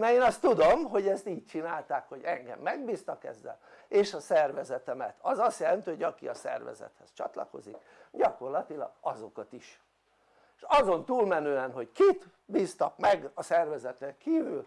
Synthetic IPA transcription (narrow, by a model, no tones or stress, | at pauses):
nɛeːnɒst̪ud̪o̞mɦo̞ɟɛst̪iːc̚t͡ʃinaːlt̪aːkho̞ɟɛŋɡɛ̰mːɛɡbiːst̪ɒkɛ̰zːɛ̰l | eːʃɒsɛrvɛzɛt̪ɛmɛt̪ʰɒzɒst̪jɛlɛnt̪yːho̞ɟɒkḭɒsɛ̰rvɛ̰zɛ̰t̪hɛst͡ʃɒ̰t̪lɒ̰ko̞̰zik | ɟɒko̞rlɒt̪ilɒ̰ɡ̥ɒzo̞kɒt̪iʃ | ʃɒzo̞nt̪uːlmɛnøːɛnɦo̞ckit̪ | biːst̪ɒkmɛɡɒsɛrvɛzɛt̪ɛŋkiːvyl